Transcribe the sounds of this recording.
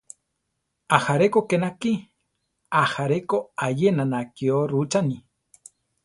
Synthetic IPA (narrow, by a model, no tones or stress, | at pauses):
ahaɾekokenaki | ahaɾekoajenanakioɾut͡ʃani